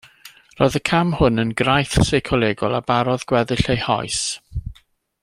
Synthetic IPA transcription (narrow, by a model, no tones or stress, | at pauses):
roːðəkʰamhʊnənɡɾajθsejkʰɔlˠeːɡʊlˠabaɾɔðɡ̥wɛðɪɬejhɔ̰js